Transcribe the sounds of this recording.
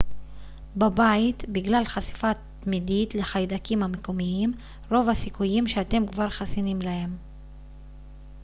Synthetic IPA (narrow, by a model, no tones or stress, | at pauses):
babait̪biɡlalχasi̥fat̪ | midit̪le̞χajd̪akimhamekomiim | ʁo̞vasikujimʃeat̪e̞mkvaʁχasinimlahe̞m